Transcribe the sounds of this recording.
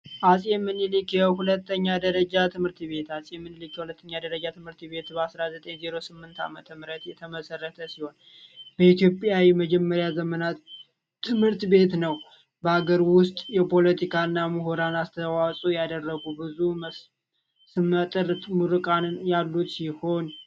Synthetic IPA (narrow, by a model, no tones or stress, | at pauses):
ʔasʼjɛmːɨnilikjɛhulət̪ːəɲːad̪əɾəd͡ʒat̪ʰɨmhɨɾt̪βe̞t̪asʼjɛmːɨnɨlikjɛhulət̪ʰːəɲːad̪əɾəd͡ʒat̪ʰɨmhɨɾt̪be̞t̪bəasɾazət̪ʼeɲzeɾo̞sɨmːɨnt̪ʰa̰mət̪ʰəmɨɾət̪jɛt̪ʰəməsərːət̪ʰəsiho̞n | b̥əit̪ʰjo̞pʼjawiməd͡ʒɛmːəɾjazəmənat̪ʰː | ɨmhɨɾt̪be̞t̪nəw | bəaɡəɾwʊst̪ʼjɛpʰo̞lət̪ʰikʰaɨnːamɨɦoɾanast̪ʰəwasʼujad̪ərːəɡubɨzumə | sɨmːət̪ʼɨɾmuɾɨkʼanjalːut̪siho̞n